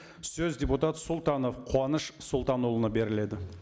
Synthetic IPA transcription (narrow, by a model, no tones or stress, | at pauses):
sɵzd̪ʲeput̪ɑt̪sʊlˠt̪ɑno̞fqʰwɑnəʃsʊlˠt̪ɑnolˠənɑbe̞ɾɪle̞d̪ɪ